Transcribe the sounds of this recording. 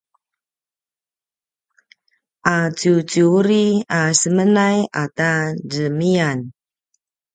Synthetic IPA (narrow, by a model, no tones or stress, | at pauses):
ʔat͡ʃut͡ʃuuɾiasəmənajatadəmian